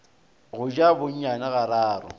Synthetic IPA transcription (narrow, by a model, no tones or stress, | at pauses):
ɣʊd͡ʒʼabʊɲ̩ɲanaɣaɾaːɾɔ̰